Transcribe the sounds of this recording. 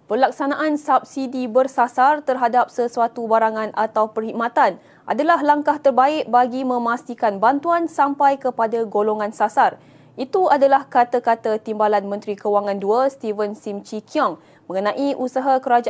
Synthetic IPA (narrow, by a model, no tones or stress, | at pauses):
pərlak̚sanãʔansap̚sidibərsasart̪ərɦadap̚səsuat̪ubaɾaŋãnʔat̪awpərhik̚mat̪an | ʔa̰dalaɦlaŋkaht̪ərbaɪk̚baɡimə̃mãst̪ikanbant̪uansampajkəpadaɡoloŋãnsasar | ʔit̪uadalahkat̪akat̪at̪imbalanmə̃nt̪ɾikəwaŋãnduast̪ivənsimt͡ʃikʰjɔŋ | mə̃ŋənãʔiʔusaɦakəɾad͡ʒ